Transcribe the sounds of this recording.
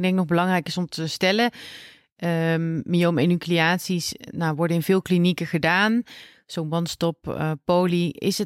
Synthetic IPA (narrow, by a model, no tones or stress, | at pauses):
dɛŋk̚nɔχbəlɑŋrɛjkɪsɔmtʰəstɛlə | mimenykliaːtsisnawʋɔɹdəɪnvɪːlˠklinikəχədaːn | z̥onʋɑnstɔppːowliɪ̰sə